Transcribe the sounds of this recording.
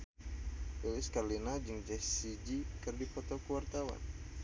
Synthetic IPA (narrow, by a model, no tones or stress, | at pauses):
belɪskarlinad͡ʒɨŋd͡ʒɛsid͡ʒikɨrdipɔt̪ɔkuwart̪awa̰n